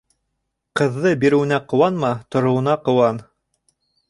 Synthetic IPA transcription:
qɤ̆ðːɤbiɾɘ̆wɘ̆næqŏwɑnmɑt̪ŏɾŏwɤ̆nɑqŏwɑn

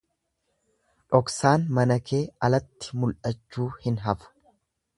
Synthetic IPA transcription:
ᶑɔksaːnmɐnɐkʰe̞ːɐlɐt̪ːɪ̥mʊlʔɐt͡ʃːuːhɪnɦɐfʊ̥

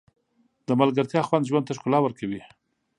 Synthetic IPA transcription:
d̪əmalɡaɾt̪jɑxwand̪ʒwand̪t̪aʂkʊlɑwəɾkawi

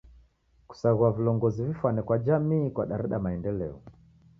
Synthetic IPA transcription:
ku̥saɣuavilɔŋɡɔzivifwanɛkwad͡ʒamiːkwaɗaɾɛɗamaɛndɛlɛɔ

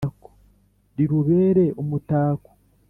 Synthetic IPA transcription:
ko̥ | ɾiɾuβe̞ːɾe̞omutaːko̥

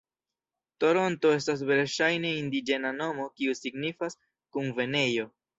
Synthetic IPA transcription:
to̞ɾo̞nto̞e̞s̬tas̬ve̞lʃajne̞indid͡ʒe̞nano̞mo̞kiusiɡnifas | kunve̞ne̞jo̞

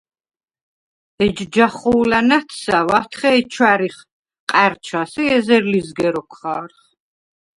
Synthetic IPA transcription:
ɛd͡ʒd͡ʒaχuːlanat̪ʰsawat̪ʰχɛɛt͡ʃʰwaɾiχ | qʼaɾt͡ʃʰasiɛzɛɾlizɡɛɾɔkʰχaːɾχ

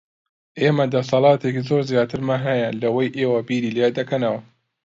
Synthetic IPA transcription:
ʔeːmɐd̪ɐsɑlˠɑːt̪ʰekizoːɾzijaːt̪ʰɨɾmaɦɐjalɐwɐjʔeːwɐbiːɾiːled̪ɐkʰɐnɐwɐ

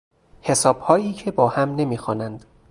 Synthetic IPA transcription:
he̞sɒːb̥hɒːjiːcʰe̞bɒːhæmne̞miːxɒːnænd̪̥

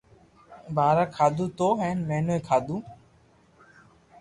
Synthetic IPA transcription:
bʱaːɾaːkʰaːd̪uːt̪oːɦɛːnmɛːnoeːkʰaːd̪uː

